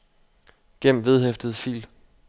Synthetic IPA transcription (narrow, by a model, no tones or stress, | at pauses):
ɡ̥em̰ʋe̝ð̞ˠɦefd̥ð̞̩ˠfḭːl